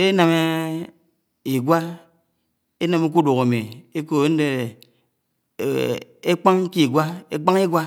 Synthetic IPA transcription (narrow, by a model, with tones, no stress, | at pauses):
e˦na˨me˦ | i˨ɡʷa˦ | e˦na˨me˦k̬u˦do˨ɣa˨mi˨e˦ko˨˦n̩˦de˦˨ | e˦k͡pa˦ŋ̩˦ki˦˨ɡʷa˦e˦k͡pa˦ŋi˦ɡwa˦